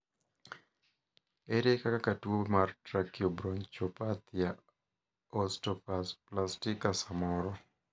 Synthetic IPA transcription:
eɾekakakatwomartɾakiobɾɔɲt͡ʃɔpat̪ja | ɔstɔpplastɪkasamɔɾɔ

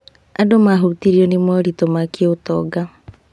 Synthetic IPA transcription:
adomaɦuɾutiɾiɔnimɔɾitomakiotɔ̰ɡa

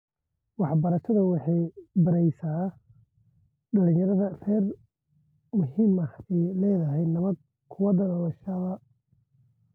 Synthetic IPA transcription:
wɑħbɐɾɐʃɐðɐwɑħɑjbɐɾɛjsaː | ɖɐlɪ̃ɲjɐɾɐðɐrɛːr | mʊɦiːmɐhɛlɛːðɐɦɛjnɐβɐd̪̚ | kʰʊwɐðɐnɐlɐʃɐβɐ

